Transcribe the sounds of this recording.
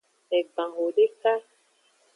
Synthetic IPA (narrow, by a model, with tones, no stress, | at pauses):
ɛ˨ɡ͡bã˨ŋɡo˨ɖe˦ka˦